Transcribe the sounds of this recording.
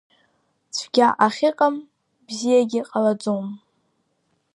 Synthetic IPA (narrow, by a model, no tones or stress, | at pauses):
t͡sʷʰɡʲaʔaχʲɪqʼam | bzijaɡʲɪqʼalad͡zom